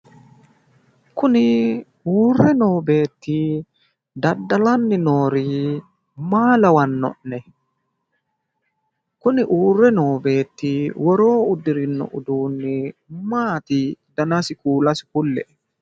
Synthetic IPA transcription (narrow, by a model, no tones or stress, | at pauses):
kʊnɪ | uːrːɛno̞ːbe̞ːt̪ːiː | d̪ɐd̪ːɐlɐnːɪno̞ːɾiː | maːlɐwɐnːɔ̰ʔnɛ | kʊnɪʔuːrːɛno̞ːbe̞ːt̪ːiwɔɾo̞ːʊd̪ɪɾɪnːɔ̰ʔʊd̪uːnːɪmaːt̪ɪd̪ɐnɐsɪkuːlɐsɪ̥kʊlːɛʔ